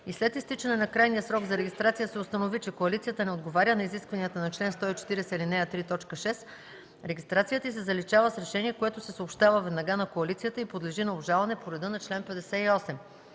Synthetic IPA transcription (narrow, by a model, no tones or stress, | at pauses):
islɛt̪ist̪it͡ʃɐnɛnɐkɾajnijəsɾɔɡzɐɾɛɡʲist̪ɾat̪sijəsɛʊst̪ɐnovit͡ʃɛkoɐlit̪sijət̪ənɛod̪ɡovaɾʲənɐiziskvɐnijət̪ənɐt͡ʃlɛnst̪ɔit͡ʃɛ̥t̪iɾɛsɛilinɛət̪ɾit̪ɔt͡ʃkəʃɛs | ɾɛɡ̟ʲist̪ɾat̪sijət̪əisɛzɐlit͡ʃavəsɾɛʃɛniɛkoɛt̪ʊsɛsəopʃt̪avəvɛd̪nɐɡanɐkoɐlit̪sijət̪əipod̪lɛʒinɐobʒalˠɐnɛpoɾɛd̪ɤnɐt͡ʃlɛnpɛd̪ɛsɛiɔsɛm